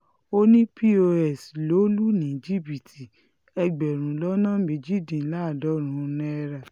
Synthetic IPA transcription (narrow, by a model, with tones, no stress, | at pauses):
o˦nĩ˦pi˦o˧ɛ˨slo˨˦lu˦nĩ˨˦d͡ʒi˦bi˨tʰi˨ | ɛ˧ɡ͡bɛ˨ɾ̃ũ˨˦lɔ˦nã˦˨me˨d͡ʒi˦dĩ˨˦la˦˨dɔ˨˦ɾ̃ũ˨˦˧nɛ̃˦˧ɾa˨